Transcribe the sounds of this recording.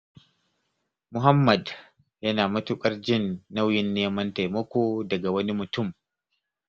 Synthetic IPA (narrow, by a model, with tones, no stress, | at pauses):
mʊ˨ɦɐ˦mːɐ˨d | jɐ˦naː˨mɐ˦tʊ˦kʼɐ˦rd͡ʒɪ˦nːa˦wjɪ˨nːeː˦mɐ˦nta˨jmɐ˦kʷoː˨dɐ˨ɡa˨wɐ˦ni˦mʊ˨tʊ˦˨m